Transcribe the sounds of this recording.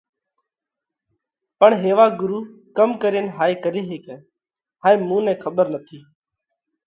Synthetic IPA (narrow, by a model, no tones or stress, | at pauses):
pəɳɦeːʋaːɡʊɾuː | kəmkəɾeːnɦaːeːkəɾeːɦeːkɛ̃ː | ɦaːẽːmũːnɛ̃ːkʰəɓəɾnət̪ʰiː